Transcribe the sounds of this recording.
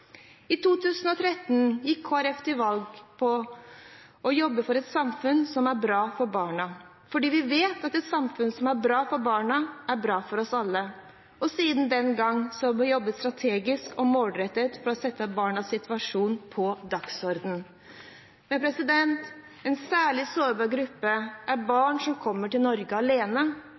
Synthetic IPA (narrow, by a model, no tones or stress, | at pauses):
ɪt̪ʰuːt̪ʰʉːsənɔt̪ʰɾɛt̪ːn̩jɪkʰːoːæɾɛft̪ʰɪʋɑlɡpʰɔ | ɔjɔbːəfɔɾɛt̪sɑmfʉnsɔmæɾbɾɑːfɔɾbɑːɳɑ | fɔɖiːʋɪʋeːt̪ɑt̪ɛt̪sɑmfʉnsɔmæɾbɾɑːfɔɾbɑːɳɑæɾbɾɑːfɔɾɔsɑlːə | ɔsiːd̪n̩d̪ɛnɡɑŋːsɔɑjɔbːət̪st̪ɾɑt̪ʰeːɡɪskɔmoːlɾɛt̪ːət̪fɔɾɔsɛt̪ːəbɑːɳɑsɪt̪ʰʋɑʂuːnpʰɔd̪ɑksɔɾd̪n̩ | mɛpʰɾɛsɪd̪ɛnt̪ | ɛnsæːɭɪsoːɾbɑɾɡɾʉpːəʔæɾbɑːɳʂɔmkʰɔmːəʈɪlnɔɾɡəɑleːnə